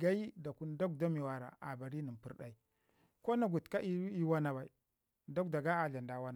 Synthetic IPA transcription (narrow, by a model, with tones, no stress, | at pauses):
ɡa˦i˦da˨ku˦n˦da˦k̚da˦mi˨wa˨ɾa̰˨a̰˨ba˨ɾi˦ni˨pi˦ɾɗa˨i˦ | ko˦na˨ɡu˨tka˦ʔi˦i˦wa˦na˨ba˨i˨ | da˦kda˨ɡa˦a˨ɮa˨nda˨wa˦na˨